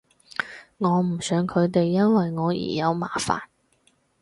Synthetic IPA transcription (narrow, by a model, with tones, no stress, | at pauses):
ŋɔː˨˧m̩˨˩sœː˨˧ŋkʰɵ˨˧ɥt̪e˨jːɐ˥nwɐ˨jŋɔː˨˧jḭː˨˩jɐ˨˧wma̰ː˨˩fa̰ː˨˩n